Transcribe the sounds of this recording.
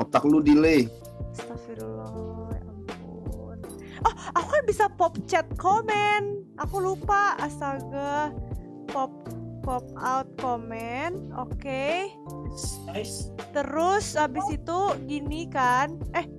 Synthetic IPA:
ɔt̪akludile | st̪afiɾlɔjamp | u | n | ɔhakubisapɔp̚t͡ʃɛt̪̚komɛnʔakulupaasaɡa | pɔp̚pɔp̚awt̪̚komɛno̰ke | t̪əɾʊsabɪsit̪uɡinikanʔɛh

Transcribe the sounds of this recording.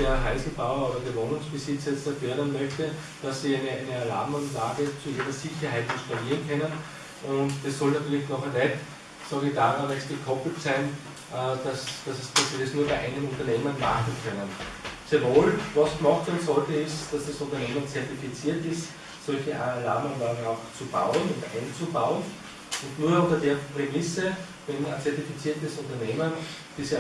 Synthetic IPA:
deːɐɦaɪsl̩baʊɐoːdɐɡevoːnʊŋsb̥ɪsɪt͡sɛt͡sɐføːdənmœçtə | d̥asːiːæɪnəaɪnəɐla̰ːbmanlaːɡət͡suiːʁɐsiçɐhæɪtɪnʃtaliːɐənkʰœnən | ʔʊntdɛsːɔlnatyːɐlɪçnɔχənɛt | sɑɡɪçd̥aːʁanɛst̚ɡ̥əkʰɔpl̩tsæɪn | ʔd̥asd̥asd̥asːiːdesnuːɐbæɪʔæ̰ɪnənʊ̃ntɐneːmənmaχn̩kʰœnənsɛɐvoːlʋɑsɡ̥mɔxtsɛnsɔltəɪstd̥asd̥asʊ̃ntɐneːmənt͡sɛɐtifit͡siːɐtɪst | sɔlçəʔala̰ːmanlaːaʊxt͡sub̥a̰ʊənʊntʔæ̰ɪnt͡subaʊən | ʊ̃ntnuːɐʊ̃ntɐdeːɐpʁemɪsə | ʋɛnat͡sɛɐtifit͡siːɐtəsʊ̃ntɐneːmən | d̥iːs

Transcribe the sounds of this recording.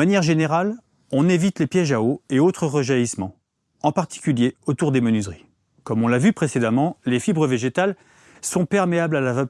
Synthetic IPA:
anjɛʁʒeneʁal | ɔ̃nevit̪lepjɛʒaoeot̪χəʁəʒaismɑ̃ | ɑ̃paʁt̪i̥kʲyljeot̪uʁd̪emənyzʁi | kɔmɔ̃lavypχesed̪amɑ̃lefibʁəveʒet̪al | sɔ̃pɛʁmeablalava

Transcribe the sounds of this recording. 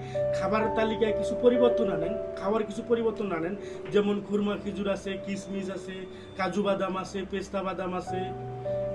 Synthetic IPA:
kʰabaɾt̪alikajkit͡ʃʰupɔɾibɔɾt̪ɔnanɛnkʰabaɾkit͡ʃʰupɔɾibɔɾt̪ɔnanɛn | d͡ʒɛmɔnkʰuɾmakʰid͡ʒuɾasekismisase | kad͡ʒubad̪amasepest̪abad̪amase

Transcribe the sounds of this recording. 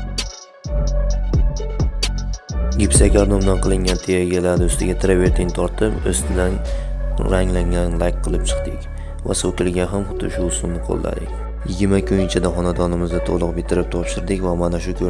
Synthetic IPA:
ɡʲɪpsakʲaɾd̪omd̪anqʰɨlˠɪŋʲant̪ʰejaɡʲalaɾd̪ɵst̪ɪɡʲat̪ʰɪɾaveɾt̪ʰɪnt̪ʰɒɾt̪ʰɪpɵ̰st̪ʰɪd̪an | ɾaŋlaŋd̪anlˠajk̚qʰːɨlˠɪp̚t͡ʃʰɨ̥qt̪ɪkʲ | va̰sok̪ʲɪlɡʲanɦamχʊ̥t̪ʰʊ̰ʃʊʊsʊmnɪqʰo̰lˠːa̰d̪ɪ̰kʲ | jɪɡʲɪɾmakʲʰʊɪt͡ʃʰad̪aχɒnad̪ɒnɪmɪzd̪at̪ʰoʁlˠʊq̚bɪt̪ʰɪɾɪp̚t̪ʰɒpʃɪɾd̪ɪkʲvamanaʃʊkʲʰɵ

